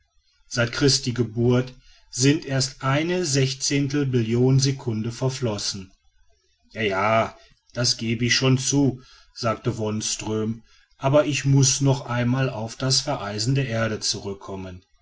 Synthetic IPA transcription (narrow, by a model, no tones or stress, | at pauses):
z̥aɪtkʁ̥ɪst̚d̥iːɡəbuɐt | z̥ɪntʔeːɐstʔaɪnəzɛçt͡seːntl̩mɪljoːnzekʰʊndəfɛɐflɔsn̩ | jaːjaː | d̥asɡ̥eːbəɪçʃoːnt͡suː | z̥aːk̚təvɔnstʁ̥øːm | ʔaːbɐʔɪçmʊsnɔχʔaɪnmaːlaʊfd̥asfɛɐʔaɪzn̩deːɐʔeːɐɾət͡suʁʏkʰːɔmən